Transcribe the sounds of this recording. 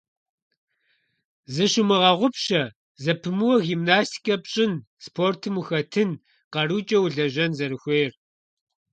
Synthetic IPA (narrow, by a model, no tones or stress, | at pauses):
zɨɕʊmɨʁɐʁʷʊpɕɐ | zɐpʰɨmɨwɐɣiːmnaːstʰi̥kʰʼɐpɕʼɪn | spʰoːrtʰɨmuxɐtʰɨn | qɐɾuːt͡ʃʼɐwɮɐʑɐnzɐɾɨxʷeːr